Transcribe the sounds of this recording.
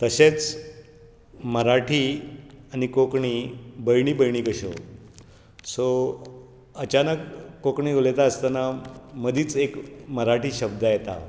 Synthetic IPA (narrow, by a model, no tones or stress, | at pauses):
t̪əɕet͡s | məɾaʈʰiːanikokɳibəjɳ̃iːbəjɳ̃iːkəɕo̰ | so | ət͡ɕanəkːokɳiːɡʱolet̪aəst̪ənaməd̪ʱiːt͡sekməɾaʈʰiːɕəb̚d̪ʱajet̪a̰